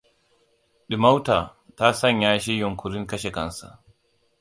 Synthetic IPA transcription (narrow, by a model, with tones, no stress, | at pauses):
ɗi˨ma˦wta˨ta˦sɐ˦ɲjaː˦ʃ̬i˦jɔ˨ŋkʰʊ˨ɾi˦ŋkɐ˦ʃɛ˨kɐ˦nsa̰˨